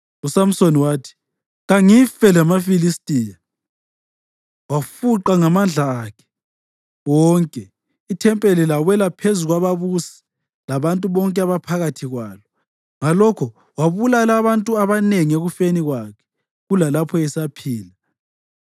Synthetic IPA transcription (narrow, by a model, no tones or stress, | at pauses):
usam̩soniwaːtʰi̥ | ɣaŋifɛlɛmafilistʼija | wafuǃaŋamand͡ɮʱaːkʰɛ̥ | wɔːŋkʼɛ | itʰɛmpʼelilawɛlapʰezuɣwaβaβusi̥ | laβantʼuβɔŋkʼɛaβapʰaɣatʰiɣwaːlɔ | ŋalɔkʰɔ | waβulalaβantʼuaβaneŋieɣufeniɣwakʰɛ̥ | ɣulalapʰɔjɛsapʰiːla